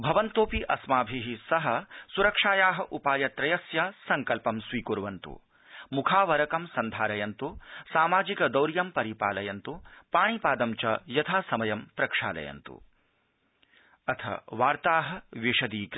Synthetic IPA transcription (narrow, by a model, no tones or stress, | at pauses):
bʱɐʋɐnt̪oːpiʔɐsmaːbʱiɦisɐɦɐ̆suɾɐkʂaːjaːɦɐ̆ʔupaːjɐt̪ɾɐjɐsjɐsɐŋkɐlpɐmsʋiːkuɾʋɐnt̪ṵ | mukʰaːʋɐɾɐkɐmsɐnd̪ʱaːɾɐjɐnt̪usaːmaːd͡ʒikɐd̪ɐwɾjɐmpɐɾipa̰ːlɐjɐnt̪upaːɳ̃ipaːd̪ɐmt͡ʃɐjɐt̪ʰaːsɐmɐjɐmpɾɐkʂa̰ːlɐ̰jɐ̰nt̪ṵ | ɐt̪ʰɐ̰ʋaːɾt̪aːɦɐ̆ʋiʂɐd̪iːk